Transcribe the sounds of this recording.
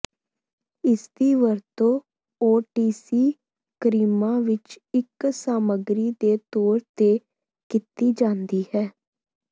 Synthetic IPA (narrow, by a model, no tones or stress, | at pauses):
ɪsd̪iːʋəɾt̪õː | oːʈiːsiː | kəɾiːmãːʋɪt͡ʃɪksaːməɡɾiːd̪eːt̪oːɾt̪eː | kɪt̪iːd͡ʒãːnd̪iːhɛː